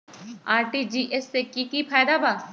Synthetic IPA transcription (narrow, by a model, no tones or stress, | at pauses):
aːɾʈid͡ʒiʔesːekikipʰaːd̪abaː